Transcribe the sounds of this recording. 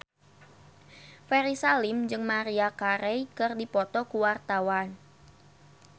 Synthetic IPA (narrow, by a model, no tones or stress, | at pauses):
fɛɾisalimd͡ʒɨŋmaɾiakaɾɛjkɨrdipɔt̪ɔkuwart̪awan